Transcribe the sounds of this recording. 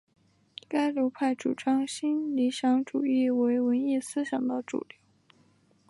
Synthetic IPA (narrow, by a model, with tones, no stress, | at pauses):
ka˥ɪljo˧˥ʊpʰa˥˩ɪʈ͡ʂṵ˨˩ʈ͡ʂɑ˥ŋɕi˥nli˧˥ɕjɑ˧˥ŋʈ͡ʂu˨˩i˥˩we˧˥ɪwə˧˥ni˥˧sɹ̩˥ɕjɑ˨˩ŋd̪ə˥ʈ͡ʂṵ˨˩li˥˩